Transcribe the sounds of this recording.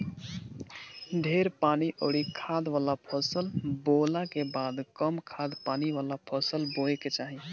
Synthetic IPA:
ɖʱeɾpaniʔə̰ɽikʰad̪ʋalapʰəsəlbolakebad̪kəmkʰad̪paniʋalapʰəsəlboeket͡ʃaɦi

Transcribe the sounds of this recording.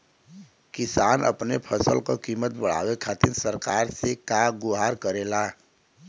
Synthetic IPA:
kɪsaːnə̰pnepʰəsəlkokiːmət̪bəɽ̤a̰ːwekʰat̪ɪɾsəɾkaːɾsekaɡʊɦaɾkəɾeːla

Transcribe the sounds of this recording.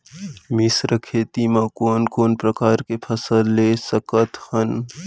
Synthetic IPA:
mɪsɾəkʰeːt̪imãkoːnkoːnpɾɐkaːɾkepʰəsəlːeːsɐkət̪hən

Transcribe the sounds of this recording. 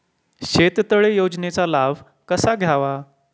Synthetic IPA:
ɕet̪t̪əɭejod͡znet͡salaʋ | kəsaɡʱjaʋa

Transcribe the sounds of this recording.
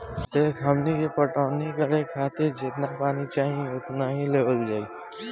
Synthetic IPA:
d̪eːkʰɦəmnikepəʈaːnikəɾekʰaːt̪ɪɾd͡ʒɪt̪napaːnit͡ʃaːɦĩʊt̪naɦĩleːbəld͡ʒaːiː

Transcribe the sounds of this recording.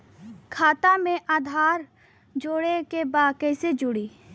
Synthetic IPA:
kʰaːt̪amẽʔaːd̪ʱaːɾ | d͡ʒoːɽekebaːkəsed͡ʒʊɽiː

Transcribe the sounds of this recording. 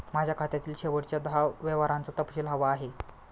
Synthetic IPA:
mad͡ʑʱjakʰat̪jat̪iːlɕeʋəɽt͡ɕjad̪aʋeʋaɾant͡sət̪əpɕelɦəʋaːɦe

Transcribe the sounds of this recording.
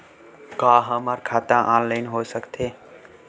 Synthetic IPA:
kaːɦəːmaːɾkʰaːt̪ãːʔãːnlaɪnɦoːsəkt̪ʰeː

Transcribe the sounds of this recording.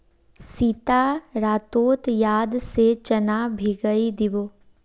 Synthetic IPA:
sit̪aɾaːt̪oːt̪jaːd̪set͡ʃɐnaːbʱiɡəid̪ɪʋoː

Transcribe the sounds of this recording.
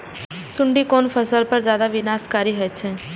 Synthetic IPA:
sʊ̃ɳɖikoːnfʰəsəlpɐɾd͡ʒjaːd̪aʋɪnaːskaːɾiɦət͡ʃʰẽ

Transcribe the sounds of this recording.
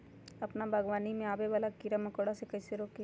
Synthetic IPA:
ɐpnabʱaːɡʋaːnimẽaːbeʋaːlakiɾamɐkoːɽasekɐɪseɾoːke

